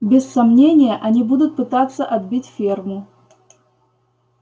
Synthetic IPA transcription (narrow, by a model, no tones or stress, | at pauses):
bʲɪsːɐmnʲenʲɪjəʔɐnʲibud̪ʊt̪̚pɨt̪at̪sːəʔɐd̪bʲitʲfʲermʊ